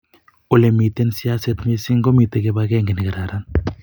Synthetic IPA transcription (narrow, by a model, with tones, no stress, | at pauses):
o˨le˨mi˨t̪e˦nsi˦a˦sɛ˦t̪me˦si˦ŋɡo˦mi˨t̪e˨ke˦bakɛ˦ŋɡe˨nɪ˨ke˨ɾa˨ɾan